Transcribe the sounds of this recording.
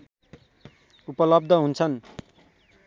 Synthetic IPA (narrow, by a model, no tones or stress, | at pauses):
upʌlʌbd̪ʱʌɦunt͡sʰʌn